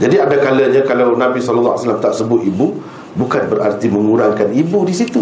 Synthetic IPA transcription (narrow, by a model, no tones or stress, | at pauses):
d͡ʒadiadakalaɲãkalawnãbisɔllːaa̰salamt̪aʔsəbʊt̪ibu | bukanbəɾa̰rt̪imə̃ŋuɾaŋkanibudisit̪u